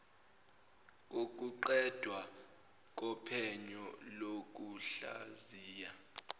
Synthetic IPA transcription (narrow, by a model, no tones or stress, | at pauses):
k̬ʼok̬ʼuǃɛd̥ʱwa | k̬ʼɔpʰɛɲɔlok̬ʼuɬa̰ziːja